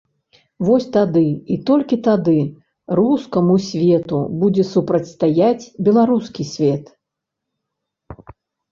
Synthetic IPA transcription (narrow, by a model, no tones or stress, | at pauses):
vɔsʲt̪ad̪ɨit̪ɔlʲkʲit̪ad̪ɨ | ɾuskɐmusʲvʲɛt̪ṵbud͡zʲɛsupɾɐt͡sʲst̪ajat͡sʲbʲɛlˠaɾuskʲisʲvʲɛt̪